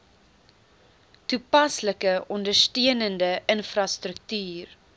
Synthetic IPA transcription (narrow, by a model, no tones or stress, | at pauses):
tupɐsləkəʔɔndərstiənəndəʔənfrɐstrək̚tyːr